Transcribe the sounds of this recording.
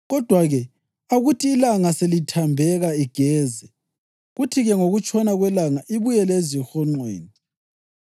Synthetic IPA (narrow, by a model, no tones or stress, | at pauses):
ɣɔd̥ʱwaɣɛ | aɣutʰiːlaŋaselitʰambʱɛɣaiɡ̥ʱɛːzɛ | ɣutʰiɣɛŋoɣut͡ʃʰʼɔnaɣwɛlaŋaʔiβujɛlezixɔŋ͡ǀwḛːni